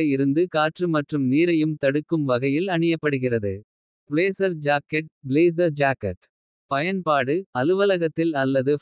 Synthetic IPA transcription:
ɐɪɾɯnd̪ɯkaːʈrɯmɐʈrɯmniːɾɐjɯmt̪ɐɽɯkːɯmʋɐɣɐjɪlɐɳɪjɐpːɐɽɯɣɪrɐðɯ | pɭeːsɐɾd͡ʒaːkɛʈ̚bleːs̬ɐɾd͡ʒaːkɛ̰ʈ | pɐjɐnpaːɽɯɐlɯʋɐlɐɣɐt̪ːɪlɐlːɐðɯ

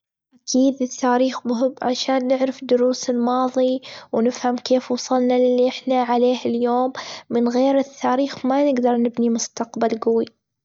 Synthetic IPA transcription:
ʔakʰiːd̪ɪθːaːɾiːxbɦʊbʕaʃaːnːɪʕɾɪfd̪ʊɾuːsɪlmɑːðˤiwnɪfhamkeːfwɑsˤɑlnalɪlːiʔɪħnaʕaleːhɪljoːmːɪnɣeːɾɪθːaːɾiːxmanɪɡd̪ɑɾˤnɪbnimʊst̪aqbalɡawi

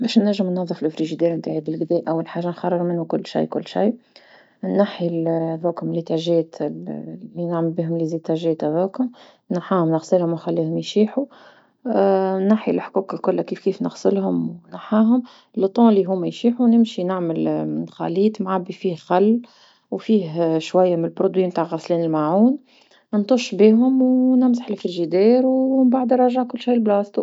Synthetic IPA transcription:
bɛːʃnːæʒːəmnɑðˤːəflʔfɾiʒid̪ɛːɾnt̪aːʕibɪlɡd̪ɛːʔæwːalħaːʒːanxɑrˤːəɣmɪnhʊkʊlːʃḭjkʊlːʃḭj | nːaħilæðæːkhʊmlit̪aʒɛːt̪ | lːinaʕməlbiːɦʊmlzit̪æʒɛːt̪ʔæðæːkhʊm | naħaːhʊmnəɣsˤəlhʊmwxalːiːhʊmjʃiːħu | naħilħkuːkalkʊlːakiːfkiːfnə̰ɣsəlhʊmwnaħaːɦʊm | lət̪ˤːɑ̃lːiɦuːmːæjʃiːħunɪmʃinaʕməlnxa̰liːt̪ˤmʕabːifiːhxalː | wfiːɦʃwæjːamɪnəlbɾod̪wiːmt̪aːʕɣæsliːnɪlmaʕuːn | nt̪ˤʊʃbiːɦʊmwnɪmzaħɪlfɪɾʒid̪ɛːɾwmbaʕd̪ɾˤɑʒaʕkʊlːʃiːlblɑːst̪ˤu

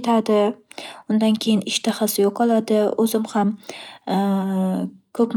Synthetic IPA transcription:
t̪ʰad̪ɪʊnd̪ankʲʰejɪnɪʃt̪ʰaχasɪjoqʰɒlˠad̪ɪɵzɪmham | kʰɵpm

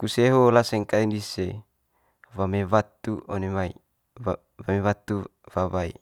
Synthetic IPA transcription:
kuseɦolasɛŋkaindise | wameβat̪uonemai | wamewat̪u | wawaḭ

